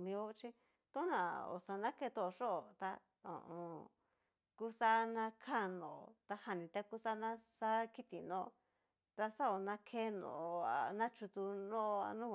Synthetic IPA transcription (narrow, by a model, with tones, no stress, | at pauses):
mĩ˧o˦˧t͡ʃi˦ | t̪õ˦nã˨o̰˨sa˧nã˦ke˧t̪o˦˧ʂo˦˨t̪a˧ | õ̰˨ʔõ˧ | ku˦sa˦nã˧kʰa˦˨nõ˨o˧t̪a˧ha˧nĩ˧˨t̪a˧ku˦sa˦nã˦sa˦ki˦t̪ḭ˨nõ˧˨˧ | t̪a˧sa˦o˨nã˦kʰe˦nõ̰˨˧a̰˧nã˦t͡ʃu˧t̪u˧nõ˦˧a̰˧nũː˦˧